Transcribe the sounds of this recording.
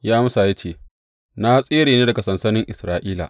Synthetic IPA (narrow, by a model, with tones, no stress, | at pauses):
jaː˦m˦saː˨ja˦t͡ʃeː˦˨ | na˦sʼeː˦ɽeː˨neː˦dɐ˨ɡa˨sɐ˨nsɐ˦nɪ˦ŋʔɪ˨sɾaː˦ʔiː˦la̰˨